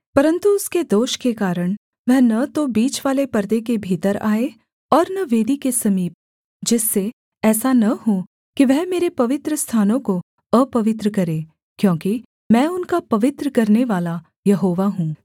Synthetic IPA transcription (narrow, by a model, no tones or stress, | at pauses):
pɐɾə̃nt̪uʊsked̪oːʃkekaːɾəɽ̃ | ʋɛɦnɐt̪obiːt͡ʃʋaːlepɐɾd̪ek̬ebʱiːt̪əɾa̰ːe | ɔːɾnɐʋeːd̪ikesɐmiːp̚ | d͡ʒɪsːe | ɛːsanɐɦo | kiʋɛɦmeːɾepɐʋɪt̪ɾəst̪ʰaːnõko | əpɐʋɪt̪ɾəkɐɾeː | kjõːki | mɛ̃ːʊnkapɐʋɪt̪ɾəkɐɾneʋaːla | jɐɦoːʋaɦũː